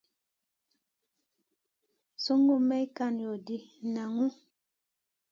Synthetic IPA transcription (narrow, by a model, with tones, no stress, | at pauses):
so˦ŋɡu˦mɛ˦i˦ka˦˨njɔ˨di˦˨na˨ŋu˦